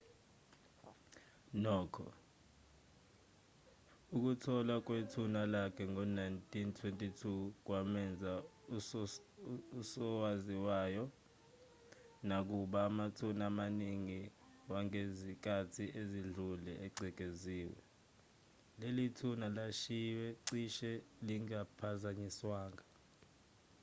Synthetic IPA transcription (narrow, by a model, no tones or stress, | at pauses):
nɔːkʰɔ̰ | uk̬utʰɔlak̬wetʰunalakʰɛŋɔnajntʰʼintʰwentʼitʰuk̬wamɛnd͡zʱa | usɔwaziwajɔ | nak̬uɓaːmatʰunamaniŋi | waŋezik̬ʼʰatʰiʔeziɮulɛʔɛɡ͡ǀʱɛk̬ʼeziːwɛ̰ | lelitʰunalaʃiwɛǀiʃɛliŋapʰazaɲiswaːŋa